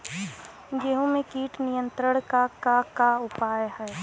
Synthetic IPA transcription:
ɡeɦõmẽkiːʈnijə̃nt̪ɾəɽ̃kakakaʊpaːjhɛː

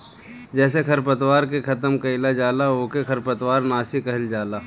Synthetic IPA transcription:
d͡ʒɛːs̬ekʰɐɾp̬ət̪waːɾkekʰɐt̪əmkɐɪlad͡ʒaːlaoːkekʰɐɾpət̪waːɾnaːsikɐɦɪld͡ʒaːlaː

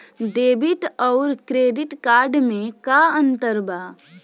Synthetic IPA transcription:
ɖeːbɪʈɔʊɾkɾeːɖɪʈkaːɾɖmẽkaə̃nt̪əɾbaː

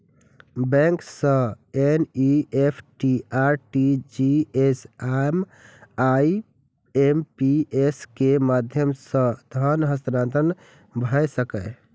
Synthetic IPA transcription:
bɛ̃ŋksə̃ | eniepʰʈiaɾʈid͡ʒiesem | ai | empieskemad̪ʱjəmsə̃t̪ɦənɦəst̪ɾãnt̪ən | bʱəjsəkə

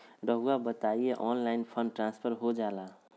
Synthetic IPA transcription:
ɾəɦuabət̪aieʔɔnlainpʰəɳɖʈɾãnspʰəɾɦod͡ʒala

